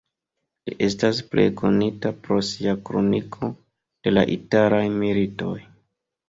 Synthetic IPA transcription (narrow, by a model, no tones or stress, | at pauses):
liʔe̞stasple̞̰kʰo̞nitapɾo̞siakɾonikʰo̞ | d̥e̞la̰ʔitaɾajmilito̞j